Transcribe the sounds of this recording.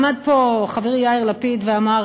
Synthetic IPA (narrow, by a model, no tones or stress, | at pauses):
mad̪̚poχaviʁjaiʁlapid̪veamaʁ